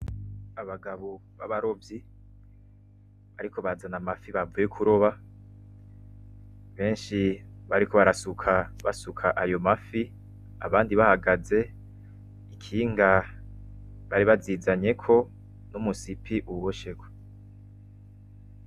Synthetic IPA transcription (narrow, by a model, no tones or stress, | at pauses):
aβaɡaβoβaβaɾo̞vji | βaɾikʰo̞βazanamafiβavujekʰuɾo̞βa | βe̞ːnʃiβaɾiko̞βaɾasukʰaβa̰sukʰaʔajo̞mafi | a̰βaːndiβahaɡaze̞ | ikʰiŋɡa | βaɾiβazizaɲe̞kʰo̞ | numusipʰiʔuβoʃeɡwe̥